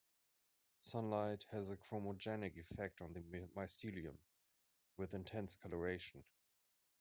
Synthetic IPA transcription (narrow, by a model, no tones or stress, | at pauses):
sʌ̃nlaɪt̚hɨzɨkʰɹ̥oməd͡ʒɛnɪkɨfɛk̚tn̩ðɨmaɪsiliɨ̃m | wɨðɨ̃ntʰɛ̃nskʰʌlə˞eɪʃn̩